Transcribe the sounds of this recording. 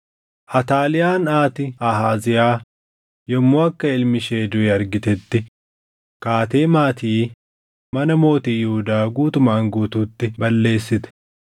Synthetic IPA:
ʔɐt̪aːlɪjaːnaːt̪ɪɐɦaːzɪjaː | jɔmːoːɐkːɐɪlmɪʃeːd̪ʊɛɐɾɡɪt̪ɛt̪ːɪ | kaːt̪e̞ːmaːt̪iː | mɐnɐmo̞ːt̪iːjʊhʊd̪aːɡuːt̪ʊmaːŋɡuːt̪uːt̪ːɪbɐlːe̞ːsːɪt̪ɛ̥

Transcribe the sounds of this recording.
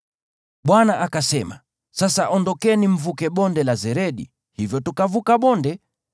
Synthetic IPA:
ɓwanaʔakasɛma̰ | sasaʔɔndɔkɛnim̩vukɛɓɔndɛlazɛɾɛɗḭ | hivjɔtukavukaɓɔndɛ

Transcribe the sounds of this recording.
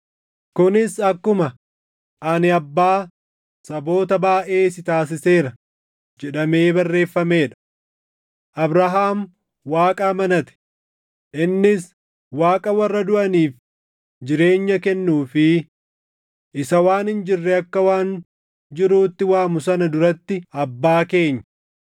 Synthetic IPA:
kʊnɪsɐkːʊmɐ | ʔɐnɪɐbːaː | sɐbo̞ːt̪ɐbaːʔe̞ːsɪt̪aːs̬ɪse̞ːɾɐ | d͡ʒɛᶑɐme̞ːbɐrːe̞ːfːɐme̞ːᶑɐ̥ | ʔɐbɾɐɦaːm | waːkʼaːmɐnɐt̪ɛ̥ | ʔɪnːɪs | waːkʼɐwɐrːɐd̪ʊʔɐniːf | d͡ʒɪɾe̞ːɲːɐkɛnːuːfɪ | ʔɪsɐwaːnhɪnd͡ʒɪrːɛɐkːɐwaːn | d͡ʒɪɾuːt̪ːɪwaːmʊsɐnɐd̪ʊɾɐt̪ːɪɐbːaːke̞ːɲːɐ

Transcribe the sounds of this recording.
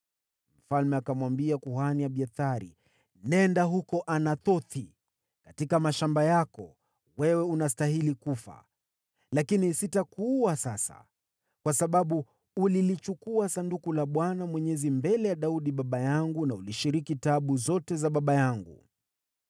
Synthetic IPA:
m̩falmɛakamwambiakuhaniaɓiaθaɾḭ | nɛndaɦukɔʔanaθɔθi | katikamaʃambajakɔ | wɛwɛunastahilikufa̰ | lakinisitakuwasasa̰ | kwasaɓaɓu | ulilit͡ʃukuasandukulaɓwanamwɛɲɛzimbɛlɛjaɗauɗiɓaɓajaŋɡunauliʃiɾikitaɓuzɔtɛzaɓaɓajaŋɡṵ

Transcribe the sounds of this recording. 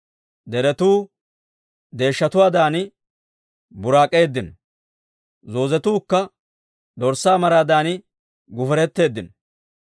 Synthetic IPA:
d̪ɛɾɛt̪uː | d̪e̞ːʃːɐt̪ʊwaːd̪aːnɪ | bʊɾaːkʼe̞ːd̪ːɪn | zo̞ːzɛt̪uːkːɐ | d̪ɔɾsːaːmɐɾaːd̪aːnɪ | ɡʊfɛɾɛt̪ːe̞ːd̪ːɪn

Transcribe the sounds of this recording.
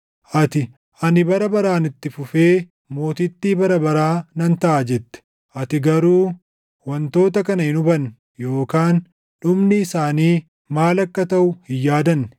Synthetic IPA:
ʔɐt̪ɪ | ʔɐnɪbɐɾɐbɐɾaːnɪt̪ːɪfʊfe̞ː | mo̞ːt̪ɪt̪ːiːbɐɾɐbɐɾaːnɐnt̪ɐʔad͡ʒɛt̪ːɛ̥ | ʔɐt̪ɪɡɐɾuː | wɐnt̪o̞ːt̪ɐkɐnɐhɪnʊbɐn | jo̞ːkaːn | ɗʊmnɪːsaːniː | maːlɐkːɐt̪ɐʔʊhɪjːaːd̪ɐnː

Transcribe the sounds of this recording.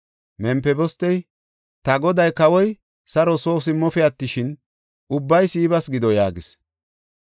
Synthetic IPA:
mɛmpːɛbɔst̪ːɛj | t̪ɐɡɔd̪ɐjkɐwɔj | sɐɾɔsoːsɪmːɔfɛɐt̪ːɪʃɪn | ʊbːɐjsiːbɐsɡɪd̪ɔjaːɡɪs

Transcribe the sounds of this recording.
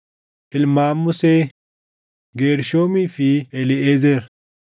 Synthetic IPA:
ʔɪlmaːmːʊsɛ | ɡeːɾʃoːmifiɛlɪezɛɾ

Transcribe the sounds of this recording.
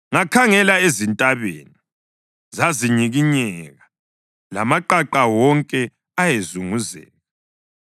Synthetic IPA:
ŋakʰaŋɛlaezintʼaβḛːni | zaziɲiɣiɲɛɣa | la̰maǃaǃawɔŋkʼɛ | ajezuŋuzḛːni

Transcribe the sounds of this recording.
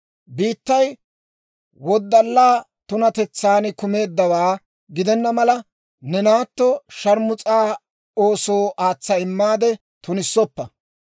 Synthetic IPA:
biːt̪ːɐj | wɔd̪ːɐlːaː | t̪ʊnɐt̪ɛt͡sːaːnɪkʊme̞ːd̪ːɐwaː | ɡɪd̪ɛnːɐmɐlɐ | nɛnaːt̪ːɔʃɐɾmʊt͡sʼaː | oːso̞ːʔaːt͡sːɐɪmːaːd̪ɛ | t̪ʊnɪsːɔpːɐ

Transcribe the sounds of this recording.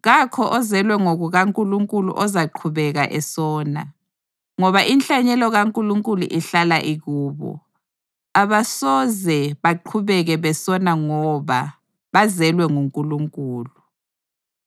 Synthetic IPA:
ɣakʰɔʔɔzɛlwɛŋoɣuɣaŋkʼuluŋkʼulṵʔɔzaǃʰuβɛɣaʔɛsɔːna̰ | ŋɔβaʔinɬaɲɛlɔɣaŋkʼuluŋkʼulṵʔiɬalaʔiɣuːβɔ̰ | aβasɔzɛβaǃʰuβɛɣɛβɛsɔnaŋɔβa | βazɛlwɛŋuŋkʼuluŋkʼuːlu

